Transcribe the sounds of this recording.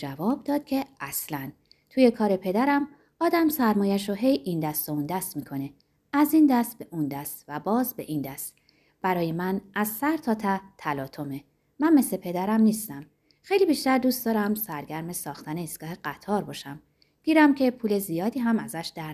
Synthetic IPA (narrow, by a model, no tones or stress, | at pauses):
d͡ʒævɒːb̚d̪ɒːd̪̥̚cʲʰe̞æslæn | t̪ʰuːje̞kʰɒːɾe̞pʰe̞d̪æɾæm | ɒːd̪æmsæɾmɒːjæʃ̬oɦe̞jind̪æst̪ound̪æst̪miːkʰo̞ne̞ | æzind̪æst̪̚beʔund̪æst̪væbɒːzbḛʔind̪æst̪ | b̥æɾɒːjemænʔæzsæɾt̪ʰɒːt̪ʰæt̪ʰælɒːt̪ʰo̞me | mænme̞slepʰe̞d̪æɾæmniːst̪æm | xe̞jlibiːʃt̪æɾd̪uːst̪d̪ɒːɾæmsæɾɡæɾme̞sɒːxt̪ʰæneisɡ̥ɒːheɡ̥æt̪ʰɒːɾbɒːʃæm | ɡ̥iːɾæmcʰe̞pʰuːle̞zijɒːd̪iːɦæmæzæʃd̪æɾ